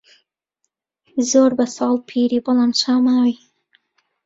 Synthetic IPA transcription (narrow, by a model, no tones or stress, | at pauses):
zoɾbasɑːlpʰiɾibolanʃɑmawi